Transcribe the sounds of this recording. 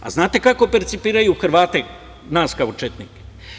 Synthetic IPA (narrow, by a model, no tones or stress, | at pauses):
a̰znaːt̪e̞kako̞peɾt̪sipiːɾajuxɾ̩ʋaːt̪e̞ | naːskaut͡ʃet̪niːke̥